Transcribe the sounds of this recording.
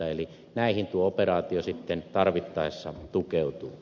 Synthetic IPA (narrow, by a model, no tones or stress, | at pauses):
ɑeli | næˑihint̪uooperɑːt̪iosit̪ːent̪ɑrʋit̪ːɑˑesːɑt̪ukeˑut̪uː